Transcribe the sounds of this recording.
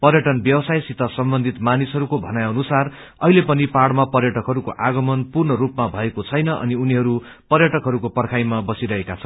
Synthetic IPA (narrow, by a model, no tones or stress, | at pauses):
pʌɾjʌʈʌnbjʌwʌsajsit̪ʌsʌmbʌnd̪ʱit̪manisɦʌɾukobʱʌnajʌnusar | ʌ̰ɦilepʌnipaɽmapʌrjʌʈʌkɦʌɾuko̰ʔaɡʌmʌnpurnʌɾupmabʱʌekot͡sʰʌjnʌʔʌ̰niuniɦʌɾu | pʌrjʌʈʌkɦʌɾukopʌrkʰajmabʌsiɾʌɦekat͡sʰʌnn